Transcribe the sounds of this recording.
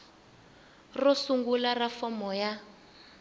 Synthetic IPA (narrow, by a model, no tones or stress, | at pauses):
rɔsuŋɡularafɔmɔja